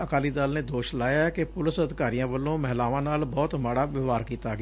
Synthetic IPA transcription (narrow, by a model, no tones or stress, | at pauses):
əkaːliːd̪aːlneːd̪oːʃlaːjaːɛkepʊlɪsəd̪ɪkaːɾijãːʋəlːõːmɛɦlaːʋãːnaːlbɔːt̪maːɽaːʋɪʋaːɾkiːt̪aːɡ